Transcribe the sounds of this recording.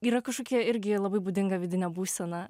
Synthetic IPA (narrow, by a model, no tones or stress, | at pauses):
iːɾɐkɐʃkoːkʲiɛɪɾʲɡʲɪlˠɐbɐɪbuːd̪ʲɪŋɡɐʋʲɪd̪ʲɪnʲɛbuːsʲɛnɐ